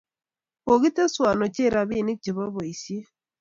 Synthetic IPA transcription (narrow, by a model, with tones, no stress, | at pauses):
o˨ɣi˦te˦swa˨nɔ˨t͡ʃe˦˨ɾa˨βi˦˨ni˦k̚t͡ʃe˨βa˦βo˨i˨sje˦